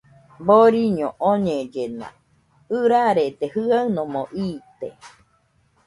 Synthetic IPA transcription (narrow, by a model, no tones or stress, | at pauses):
boɾiɲõʔoɲẽd͡ʒenã̰ | ɯɾaɾet̪ehɨaɨnõmõʔiːt̪e